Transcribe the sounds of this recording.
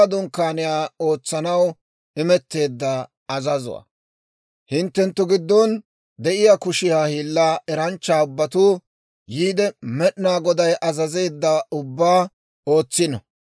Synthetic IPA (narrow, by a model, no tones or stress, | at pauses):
ɐd̪ʊŋkːaːnɪjaːo̞ːt͡sːɐnɐw | ɪmɛt̪ːe̞ːd̪ːɐ | ɐzɐzʊ̰wa̰ | hɪnt̪ːɛnt̪ːʊɡɪd̪ːɔn | d̪ɛʔɪjakʊʃɪjaːhiːlːaːʔɛɾɐnt͡ʃːaːʊbːɐt̪uː | jiːd̪ɛmɛɗnaːɡɔd̪ɐjʔɐzɐze̞ːd̪ːɐʊbːaː | o̞ːt͡sːɪnɔ̰